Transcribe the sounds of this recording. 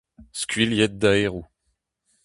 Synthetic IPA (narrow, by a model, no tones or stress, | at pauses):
skʲɥiljɛt̪̚d̪aeʁu